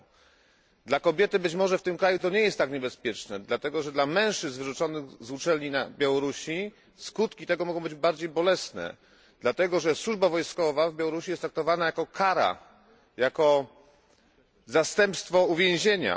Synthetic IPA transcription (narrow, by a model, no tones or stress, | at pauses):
d̪lakɔbʲjɛt̪ɘbɘt͡ɕmɔʐɛft̪ɘmkɾajut̪ɔɲɛjɛst̪ːakɲɛbɛspʲjɛt͡ʂnɛd̪lat̪ɛɡɔʐɛd̪lamɛ̃w̃ʂt͡ʂɘznvɘʐut͡ʂɔnɘɣzut͡ʂɛlɲinabʲjawɔɾuɕi | skut̪kʲit̪ɛɡɔmɔɡɔ̃w̃bɘd͡ʑbaɾd͡ʑejbɔlɛsnɛ̰ | d̪lat̪ɛɡɔʐɛswuʐbavɔjskɔvavbʲjawɔɾuɕijɛst̪ɾak̚t̪ɔvanajakɔkʰaɾa̰ | jakɔ | zast̪ɛmpst̪fɔuvʲjẽw̃ʑeɲa̰